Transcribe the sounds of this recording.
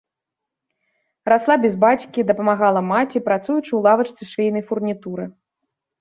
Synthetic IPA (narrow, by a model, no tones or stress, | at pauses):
ɾaslˠabʲɛzbat͡sʲkʲid̪ɐpɐmaɣalˠɐmat͡sʲipɾat̪sujut͡ʂɨwlˠavɐt͡ʂt̪sɨʂvʲejnɐjfurnʲit̪uɾɨ